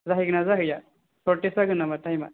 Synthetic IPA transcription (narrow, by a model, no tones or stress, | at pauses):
zaɦiɡnazaɦɯja | sɔʈesaɡɯnamat̪ajma̰